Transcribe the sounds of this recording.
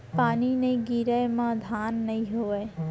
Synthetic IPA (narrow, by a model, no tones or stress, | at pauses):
paːnineiɡiːɾəjmãd̪ʱaːnːɐĩɦoːʋeː